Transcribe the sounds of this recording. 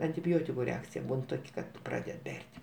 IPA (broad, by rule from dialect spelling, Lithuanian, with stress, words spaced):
ɐnʲtʲɪˈbʲoːtʲɪkʊ ˈrʲɛɐkt͡sʲɪjɛ ˈbuːn ˈtoːkʲ kɐt ˈprɑːdʲɛt ˈbʲɛrʲtʲ